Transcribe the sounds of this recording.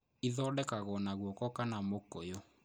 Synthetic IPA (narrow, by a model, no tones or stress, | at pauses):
iðɔːdɛkaɣɔnaɣwɔkɔkanamokojo